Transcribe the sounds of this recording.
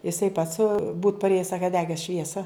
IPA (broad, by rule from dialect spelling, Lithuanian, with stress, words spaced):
jɪˈsɐɪ pɐts buːt pɐrʲˈeːjɛs ˈsɑːkɐ ˈdʲæːɡʲɛs ˈʃʲʋʲiɛsɐ